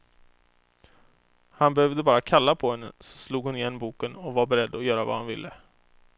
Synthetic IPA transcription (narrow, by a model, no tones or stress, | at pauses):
hanbɛhøːvd̪əbɑːɾakʰalːapʰɔhɛnːə̰sɔ̥sluːɡhʊnɪjɛnːbuːkənɔvaɾbɛɾɛd̪ːɔjœːɾava̰hanvɪlːə